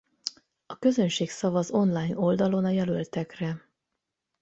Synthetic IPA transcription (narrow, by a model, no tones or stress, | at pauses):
ɒkø̞zø̞nʃeːksɒvɒzo̞nlajno̞ld̪ɒlo̞nɒjɛlølt̪ɛkrɛ